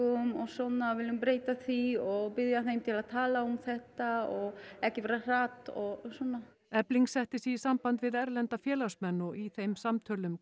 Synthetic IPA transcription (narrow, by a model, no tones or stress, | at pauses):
ʏmɔɣsɔnːavɪlːʏmpɾeːjt̪aθviɔɣpɪðjaθejmt̪ʰɪlaðt̪ʰaːlaumθɛht̪aɔɣɛhcɪvɛːɾar̥aːt̪ɔɣsɔna | ɛpliŋksɛht̪ɪsisampant̪vɪðɛɾlɛnt̪afjɛːlasmɛnːɔɣiθejmsamt̪ʰœːlʏm